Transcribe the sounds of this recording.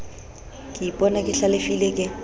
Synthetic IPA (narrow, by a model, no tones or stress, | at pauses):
kʼɪipʼɔnakʼɪɬalɪfilekʼɪ